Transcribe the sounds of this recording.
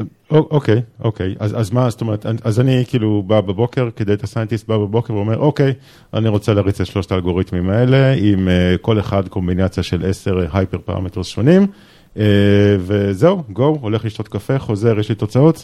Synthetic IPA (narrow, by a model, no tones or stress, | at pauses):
oʔoke̞jʔo̰ke̞jazazmast̪o̞me̞ʁet̪anʔazanikiːlubabebo̞ke̞ʁked̪ejt̪asajent̪ist̚babebo̞keʁveo̞me̞ʁʔo̞ke̞j | a̰niʁo̞t͡seleːʁit͡setaʃlo̞ʃt̪aːlɡo̞ʁit̪mimae̞le̞imeko̞leχadko̞mbinat͡sjaʃe̞lʔe̞se̞ʁɦajpeʁpa̰ʁa̰metʁzʃmo̞nim | eveze̞uɡo̞woleχliʃto̞t̪kafe̞χo̞ze̞ʁjeʃlit̪o̞t͡sao̞t